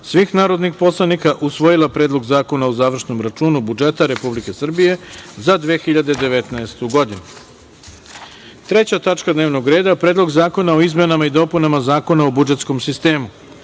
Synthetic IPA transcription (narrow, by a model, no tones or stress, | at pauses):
sʋixnaːɾo̞d̪nixpo̞slˠanikaʔusʋojilˠapɾeːd̪lˠo̞ɡzaːko̞naozaːʋr̩ʃno̞mɾat͡ʃuːnubud͡ʒe̞t̪aɾe̞publike̞sr̩bije̞zad̪ʋexiʎad̪ed̪e̞ʋet̪naest̪uɡo̞d̪inu | t̪ɾe̞t͡ɕat̪at͡ʃkad̪neːʋno̞ɡɾe̞ːd̪apɾeːd̪lˠo̞ɡzaːko̞nao̞izme̞namaid̪o̞punamazaːko̞naobud͡ʒet̪sko̞msist̪e̞ːmu